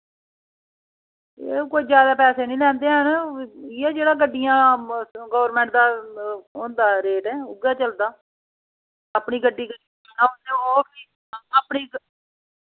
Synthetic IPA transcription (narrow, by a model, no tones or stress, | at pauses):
ḛːkoːiːd͡ʒjaːd̪aːpɛːseːnĩːlɛ̃ːnd̪eːaniɛːd͡ʒeːɽaːɡəɖːɪjãːɡoːʋəɾmɛ̃ːɳʈ̚d̪aːõːnd̪aːɾeːʈɛːʊɡaːt͡ʃəld̪aː | apɳiːɡəɖːiːɡə | naːʊnd̪eːoːpʰiː | aːpɳiː